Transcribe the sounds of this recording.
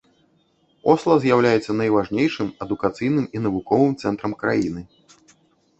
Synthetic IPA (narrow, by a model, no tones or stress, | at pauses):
ɔslˠɐzʲjawlʲajɛt̪sːɐnɐjvaʐnʲejʂɨmɐd̪ukat̪sɨjnɨminɐvukɔvɨmt̪sɛnt̪ɾɐmkɾa̰jinɨ